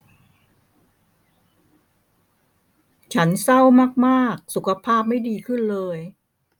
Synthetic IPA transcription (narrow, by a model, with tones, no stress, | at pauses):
t͡ɕʰa˦˥nsa˥˩wmaː˥˩k̚maː˥˩k̚su˨˩kʰa˧pʰaː˥˩p̚ma˥˩jdiː˧kʰɯ˥˩nlɤː˧j